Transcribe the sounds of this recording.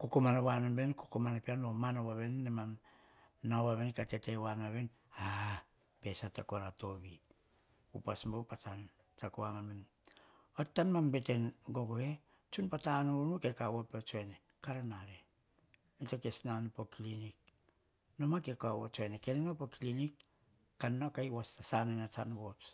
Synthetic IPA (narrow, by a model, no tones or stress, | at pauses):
kokomanawanombenkokomanapeanomanowaβenːemanː | awaβenkatetewanaβen | a | pe̞satekoɾato̞βi | ṵpasmbowpat͡ʃan | t͡ʃakoaŋanben | otːanmambe̞tenɡoɡohe | t͡ʃunpatanunukekawopeot͡ʃoene | kaɾanaɾe | nitokesnanupoklinik̚ | nomakekoawot͡ʃoenekenenopokilinikː | anːokajwastasanenat͡ʃa̰nbot͡ʃ